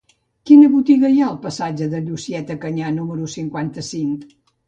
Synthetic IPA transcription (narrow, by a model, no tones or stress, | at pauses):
kinəβut̪iɣəijaəlˠpəsad͡ʒəðəʎusiɛt̪əkəɲanuməɾusiŋkwant̪əsiŋ